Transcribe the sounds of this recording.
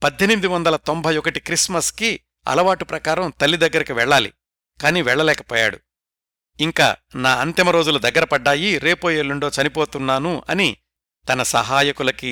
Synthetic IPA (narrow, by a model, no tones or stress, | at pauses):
pɐd̪ʱjenmid̪iʋɐnd̪ɐlɐt̪ombʱɐjɔkɐʈikɾismɐski | ɐ̰lɐʋaːʈupɾɐkaːɾɐmt̪ɐlːid̪ɐɡːɐɾɐkiʋɛɭːaːlḭ | kaːniːʋɛɭːɐlɛːkɐpɔːja̰ːɽṵ | iŋka̰ːnaːɐnt̪imɐɾoːd͡ʒulud̪ɐɡːɐɾɐpɐɖːaːjiɾe̞ːpoːjeːlːuɳɖo̞ːt͡ʃɐnipoːt̪unːaːnuɐ̰ni | t̪ɐnɐsɐ̰ɦaːjɐkulɐki